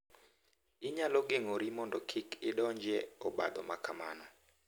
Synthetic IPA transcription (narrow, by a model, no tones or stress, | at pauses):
ɪɲalɔɡɪŋoɾimɔndɔkʰɪkɪdɔɲd͡ʒɛɔba̰d̪ɔ̰makʰama̰na